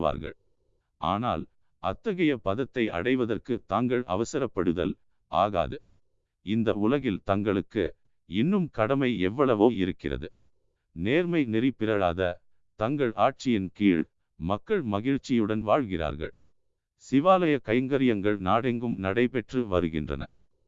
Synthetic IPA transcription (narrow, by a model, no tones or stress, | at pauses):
ʋa̰ːɾɣɐ̰ɭ | ʔa̰ːna̰ːl | ɐ̰t̪ːɐɣɐjɐpɐðɐt̪ːɐɪʔɐ̰ɽɐɪʋɐðɐrkɯt̪aːŋɡɐɭɐ̰ʋɐsɐɾɐpːɐɽɯðɐ̰l | ʔa̰ːɣa̰ːðɯ | ɪnd̪ɐʊlɐɣɪlt̪ɐŋɡɐɭɯkːɯ̰ | ɪnːɯmkɐɽɐmɐɪɛʋːɐɭɐʋɯɪɾɯkːɪ̰rɐ̰ðɯ̰ | neːɾmɐɪnɪɾɪpːɪɾɐɻaːðɐ | t̪ɐŋɡɐɭʔaːʈ̚t͡ʃɪjɪnkiːɻ | mɐkːɐɭmɐɣɪɻt͡ʃːɪjɯɽɐnʋaːɻɣɪra̰ːɾɣɐ̰ɭ | sɪʋaːlɐjɐkɐɪŋɡɐɾɪjɐŋɡɐɭnaːɽɛŋɡɯmnɐɽɐɪpɛʈrɯʋɐɾɯɣɪ̰ndrɐ̰nɐ̰